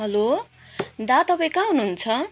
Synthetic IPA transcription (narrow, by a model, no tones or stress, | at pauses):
ɦʌlo | d̪at̪ʌbʌkaɦunuɦunt͡sʰʌ